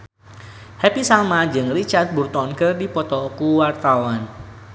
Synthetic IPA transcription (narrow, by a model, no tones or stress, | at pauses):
hɛpisamad͡ʒɨŋrit͡ʃart̪̚burt̪ɔnkərdipɔt̪ɔkuwart̪awan